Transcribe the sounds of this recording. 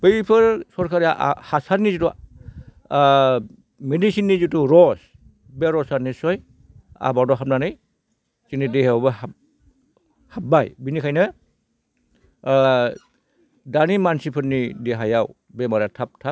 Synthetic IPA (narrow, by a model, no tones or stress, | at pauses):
b̥ɯjpʰɯɾsɔɾkʰaɾaʔhasaɾnizutɔ | medisinːizutuɾɔs | beɾɔsaɾnisɔj | a̰badɔɦap̚nanɯj | zinideɦabɯha | hap̚ːajbinikʰajnɯ | danimansipʰɯtnideɦajaw | bemaɾatʰap̚tʰa